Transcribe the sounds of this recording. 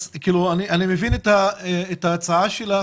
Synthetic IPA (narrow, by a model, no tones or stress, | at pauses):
kiːluaniʔanimevinetaeeːtaːt͡saaʃela